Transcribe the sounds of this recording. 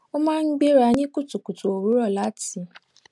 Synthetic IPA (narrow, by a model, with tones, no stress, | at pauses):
ɔ˦mã˦ŋ̩˦ɡ͡be˦ɾa˨˦ɲɪ̃˦ku˦tu˨ku˨tu˨o˨ɾu˦ɾɔ˦˨la˨˦ti˨